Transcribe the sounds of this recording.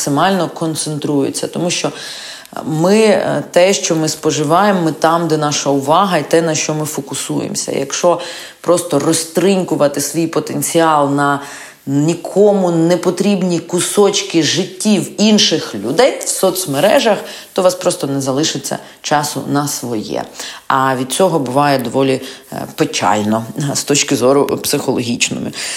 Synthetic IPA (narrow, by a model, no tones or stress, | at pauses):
sɪmɑlʲnɔkɔnt̪sent̪ɾujʊ̰t͡sʲːɐt̪ɔmuʃt͡ʃɔ | mɪt̪ɛʃt͡ʃɔmɪspɔʒɪʋɑjemːɪt̪ɑmd̪ɛnɑʃɐʊʋɑɦɐit̪ɛnɐʃt͡ʃɔmɪfɔkʊsujḛmsʲɐ̰jɐ̰kʃt͡ʃɔ | pɾɔst̪ɔrɔst̪ɾiŋkʊʋɐt̪ɪsʋʲijpɔt̪enʲt͡sʲiɑlˠnɐ | nʲikʰɔmʊnɛpɔt̪ɾʲibnʲikʊsɔt͡ʃkɪʒɪtʲːiwinʃɪxlʲʊd̪ɛjwsɔt̪smeɾɛʒɐxt̪ɔʋɑspɾɔst̪ɔnɛzɐlˠɪʃɪt͡sʲːɐ̰ | t͡ʃɑsʊ̰nɐsʋɔjɛ̰ɐʋʲid̪̚t͡sʲɔɦɔbʊʋɑjɛd̪ɔʋɔlʲipet͡ʃɑ̰lʲnɔst̪ɔt͡ʃkɪzɔɾʊpsɪxɔlˠɔɦʲit͡ʃnɔ̰mʊ̰